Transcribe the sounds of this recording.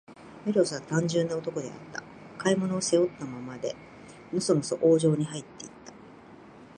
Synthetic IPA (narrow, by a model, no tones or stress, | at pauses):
meɾo̞sɨβat̪ãɲ̟d͡ʑɨ̃nːaot̪o̞ko̞d̪e̞̰a̰t̪ːa̰ | kaimo̞no̞ːse̞o̞t̪ːamamad̪e̞̰ | nosonosoʔoːʑo̞ːɲ̟ihait̪ːe̞it̪ːḁ